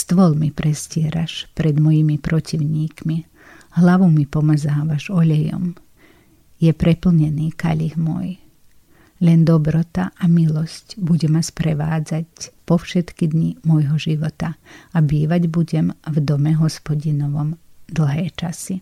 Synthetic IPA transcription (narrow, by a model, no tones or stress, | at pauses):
st̪ʋɔlmipɾɛscɪɛɾaʃpɾɛd̪mɔjimipɾɔciʊɲiːkmi | ɦlaʋumipɔmazaːʋaʒɔʎɛjɔ̰m | jɛpɾɛpl̩ɲɛniːka̰ʎixmʊɔ̰j | lɛnd̪ɔbɾɔt̪aʔamilɔscbuɟɛmaspɾɛʋaːd͡zacpɔfʃɛt̪kid̪ɲimɔjɦɔʒiʋɔt̪aabiːʋaɟbuɟɛmvd̪ɔmɛɦɔspɔɟinɔʋɔmd̪l̩ˠɦɛːt͡ʃasi